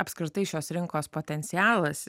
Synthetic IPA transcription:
ɐpʲskɾʲɪt̪ɐɪʃʲoːsɾʲɪŋkoːspoːt̪ʲɛnʲt̪sʲɪjæːlˠɐs

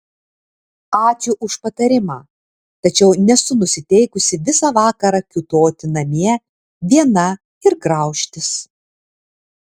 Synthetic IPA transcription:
ɑːt͡ʃʲuːʔʊʃpɐt̪ɐɾʲɪmɑː | t̪ɐt͡ʃʲɛʊnʲɛsʊnʊsʲɪt̪ʲɛɪkʊsʲɪʋʲɪsɑːʋɑːkɐɾɐkʲʊt̪oːt̪ʲɪnɐmʲiɛ | ʋʲiɛnɐ | ɪɾɡɾɐˑʊʃʲt̪ʲɪs

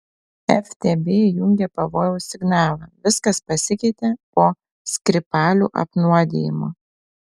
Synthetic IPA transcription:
ɛfʲt̪ʲeːbʲeːjʊŋʲɡʲɛpɐʋoːjɛʊsʲɪɡnɑːlˠɐːʋʲɪskɐspɐsʲɪkʲɛɪt̪ʲepoː | sʲkʲɾʲɪpɑːlʲṵːʔɐ̰pnuɔd̪ʲḛːjɪmoː

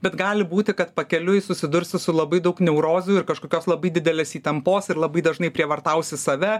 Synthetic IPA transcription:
bʲɛt̪ɡɑːlʲɪbuːt̪ʲɪkɐt̪pɐkʲɛlʲʊɪsʊsʲɪd̪ʊɾʲsʲɪsʊlˠɐbɐɪd̪ɐʊknʲɛʊɾoːzʲuɪrkɐʃkoːkʲoːslˠɐbɐɪdʲɪd̪ʲɛlʲeːsiːt̪ɐmpoːsɪɾlˠɐbɐɪd̪ɐʒnɐɪpʲɾʲiɛʋɐrt̪ɐʊsʲɪsɐʋʲɛ

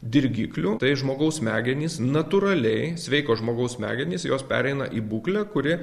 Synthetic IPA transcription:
d̪ʲɪɾʲɡʲḭːklʲuːt̪ɐɪʒmoːɡɐʊsmʲæːɡʲɛnʲiːsnɐt̪uɾɐlʲɛɪsʲʋʲɛɪkoːʒmoːɡɐʊsmʲæ̰ːɡʲɛnʲiːsjoːspʲæ̰ːɾʲɛɪnɐ̰ʔiːbuːklʲækʊɾʲɪ

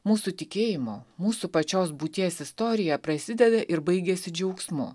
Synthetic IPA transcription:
muːsut̪ʲɪkʲeːjɪmoːmuːsupɐt͡ʃʲoːsbuːt̪ʲiɛsɪst̪oːɾʲɪjɛpɾɐsʲɪd̪ʲɛd̪ɐʔɪɾbɐɪɡʲesʲɪd͡ʒʲɛʊksmʊ̰

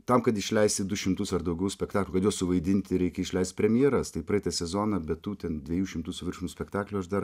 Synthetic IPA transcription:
t̪ɐmkɐt̪ɪʃʲlʲɛɪsʲt̪ʲɪd̪ʊʃʲɪmt̪ʊsɐrd̪ɐʊɡʲɛʊsʲpʲɛkt̪ɑːklʲukɐt̪joːssʊʋɐɪd̪ʲɪnʲt̪ʲɪɾʲɛɪkʲɛɪʃʲlʲɛɪst̪̚pʲɾʲɛmʲjiːɾɐst̪ɐɪpɾɐɛɪt̪ɐsʲɛzoːnɐbʲɛt̪tuːt̪ʲɛnd̪ʲʋʲɛjuːʃʲɪmt̪uːsʊʋʲɪrʃʊmusʲpʲɛkt̪ɑːklʲuːɐʃd̪ɐr

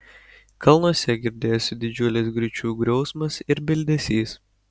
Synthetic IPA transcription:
kɐlˠnuɔsʲɛɡʲɪɾʲd̪ʲeːjoːsʲd̪ʲɪd͡ʒʲʊlʲɪs̬ɡɾʲʊt͡ʃʲuːɡɾʲɔʊsmɐsɪɾbʲɪlʲd̪ʲɛsʲiːs

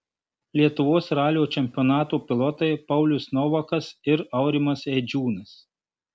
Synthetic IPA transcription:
lʲiɛt̪ʊʋoːsɾɑːlʲjoːt͡ʃʲɛmʲpʲɔnɑːt̪uːpʲɪlˠɔːt̪ɐɪpɐʊlʲʊsnɔʋɐkɐsɪɾɐʊɾʲɪmɐsɛd͡ʒʲuːnɐs

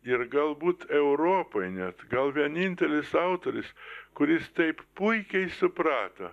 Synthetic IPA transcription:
ɪɾɡɐlˠbuːt̪ɛʊɾoːpɐɪnʲɛt̪ɡɐlˠʋʲiɛnʲinʲt̪ʲɛlʲɪsɐʊt̪oːɾʲɪskʊɾʲɪst̪ɐɪppʊɪkʲɛɪsʊpɾɑːt̪ɐ̰

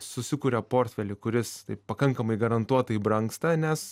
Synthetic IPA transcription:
sʊsʲɪkuːɾʲɛpoːrʲt̪ʲfʲɛlʲɪkʊɾʲɪst̪ɐɪppɐkɐŋkɐmɐɪɡɐɾɐnt̪uɔt̪ɐibɾɐŋkst̪ɐnʲɛs

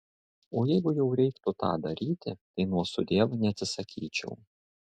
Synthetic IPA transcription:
oːjɛɪɡʊjɛʊɾʲɛɪkt̪ʊt̪ɑ̰ːd̪ɐɾʲiːt̪ʲɪt̪ɐɪnuɔsʊd̪ʲeɛʋnʲɛɐt̪ʲsʲɪsɐkʲiːt͡ʃʲɛ̰ʊ

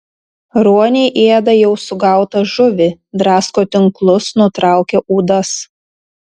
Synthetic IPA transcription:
ɾuɔnʲɛɪʔeːd̪ɐjɛʊsʊɡɑˑʊt̪ɐʒʊʋʲɪd̪ɾɑːskoːt̪ʲɪŋklˠʊsnʊt̪ɾɑˑʊkʲeʔuːd̪ɐs

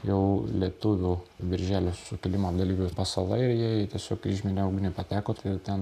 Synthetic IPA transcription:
jɛʊlʲiɛt̪ʊʋʲuːʋʲɪɾʲʒʲæːlʲoːsʊkʲɪlʲɪmoɐd̪ɐlʲiːʋʲɛpɐsɐlˠɐɪɾjiɛt̪ʲiɛsʲoːkɪʒʲmʲɪnʲɛʊɡʲɪnʲʊpɐt̪ʲæːkoːt̪t̪ʲɛn

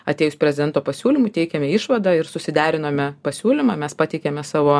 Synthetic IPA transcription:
ɐt̪ʲeːjʊsʲpʲɾʲɛzʲɪd̪ʲɛnt̪oːpɐsʲuːlʲɪmut̪ʲɛɪkʲɛmʲɛɪʃʋɐd̪ɑɪɾsʊsʲɪd̪ʲæːɾʲɪnoːmʲɛpɐsʲuːlʲɪmɑːmʲɛspɑːt̪ʲɛɪkʲemʲɛsɑːʋoː

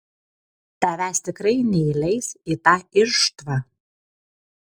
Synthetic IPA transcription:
t̪ɐʋʲæsʲt̪ʲɪkɾɐɪnʲɛilʲɛjsit̪ɑɪɾʃt̪vɑ

